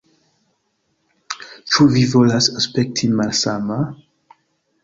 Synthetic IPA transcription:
t͡ʃuvivɔlasəspɛk̚tʰĩnmalsama

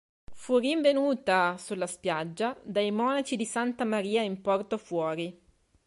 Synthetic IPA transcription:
furiɱvenuːt̪asulːaspjad͡ʒːad̪ajmɔːnat͡ʃid̪isant̪amaɾiːaimpɔrt̪ofwɔːɾi

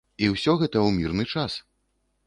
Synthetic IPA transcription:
iwsʲɔɣɛt̪ɐwmʲirnɨt͡ʂas

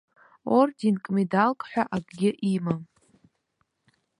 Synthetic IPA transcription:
ortinkʼmidalkʼħʷᶣaʔaɡʼɡʲɪʔima

